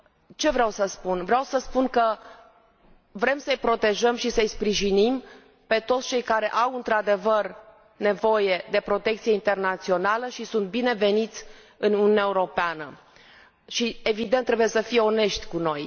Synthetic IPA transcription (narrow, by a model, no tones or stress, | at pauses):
t͡ʃe̞vɾeawsəspunvɾeawsəspunkə | vɾe̞msəjpɾo̞t̪e̞ʒəmʃisəjspɾiʒinim | pe̞t̪o̞t̪st͡ʃe̞jkaɾe̞ʔawɨnt̪ɾad̪e̞vər | ne̞vo̞je̞d̪e̞pɾo̞t̪e̞kt̪sije̞int̪e̞rnat̪sio̞naləʃisunt̪̚bine̞ve̞nit̪sʲ | ɨnunʲunʲaeuɾo̞peanə | ʃie̞vid̪ent̪ːɾebuje̞səfijeo̞ne̞ʃt̪ʲkuno̞j